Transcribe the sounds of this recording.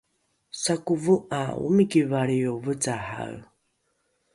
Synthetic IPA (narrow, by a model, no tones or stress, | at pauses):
sakuvuʔaṵmikivaɭiovət͡saha̰ɰ